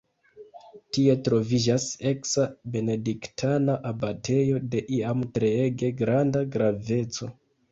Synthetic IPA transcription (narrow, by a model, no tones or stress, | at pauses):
tie̞tɾo̞vid͡ʒase̞ksabe̞ne̞diktʰanaʔabate̞jo̞de̞ʔiamtɾe̞eɡe̞ɡɾandaɡɾave̞t͡so̞